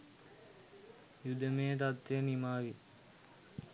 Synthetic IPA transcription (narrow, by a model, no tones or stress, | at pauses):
jud̪əmejət̪at̪ʋenimaːʋi